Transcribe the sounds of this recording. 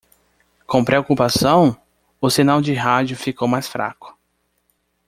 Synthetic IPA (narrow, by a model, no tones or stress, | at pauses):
kõpɾeokupasɐ̃w̃ | ʊsinawd͡ʒɪɦad͡ʒʊfikowmajsfɾa̰kʊ̥